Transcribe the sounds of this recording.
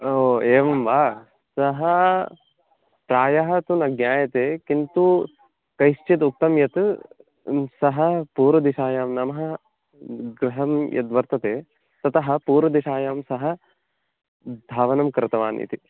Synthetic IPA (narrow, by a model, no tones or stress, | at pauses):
oːeːʋɐmʋaː | sɐɦɐ | pɾaːjɐɦɐt̪unɐɡɲaːjɐt̪eːkint̪u | kɐjʃt͡ʃit̪̬uk̚t̪ɐmjɐt̪ | sɐɦɐpuːɾʋɐd̪iʃaːjaːmnɐmɐɦɐ | ɡɾɪɦɐmjɐ̰t̪ʋɐɾt̪ɐt̪eː | t̪ɐt̪ɐɦɐ̆puːɾʋɐd̪iʃaːjaːmsɐɦɐ̆ | d̪ʱaːʋɐnɐmkɾɨt̪ɐʋaːnḭt̪i